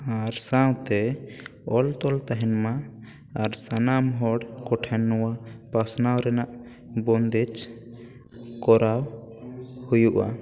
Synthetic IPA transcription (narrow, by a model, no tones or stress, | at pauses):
aɾsãwt̪ɛ | ɔlt̪ɔlt̪aɦɛnma | aɾsanamɦɔɽkɔʈʰɛnːɔwapasnawɾɛnaʔ | bɔnd̪ɛt͡ʃ | kɔɾaw | hujuʔa̰